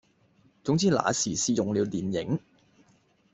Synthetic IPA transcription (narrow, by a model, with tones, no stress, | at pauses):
t͡sʊ˨˥ŋt͡siː˨˥la̰ː˨˧siː˨˩siː˨˧jʊ˨ŋliː˨˧wliː˨njɪ̰˨˥ŋ